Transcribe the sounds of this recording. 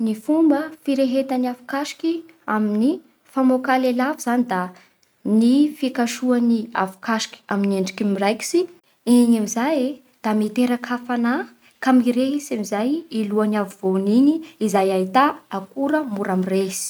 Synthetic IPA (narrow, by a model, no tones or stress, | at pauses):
nifumbəfiɾeɦet̪aniafu̥kaʃi̥ki | amini | famokalelaviz̥anid̪a | nifikaʃuania̰fu̥kaʃi̥kʲi̥amineɳɖ͡ʐikimirajki̥si | eɲamizaje | d̪̥amit̪eɾakʰafana | kamiɾeɦesamizajiluanavuvoniniːzajait̪aakuɾəmuɾamiresi̥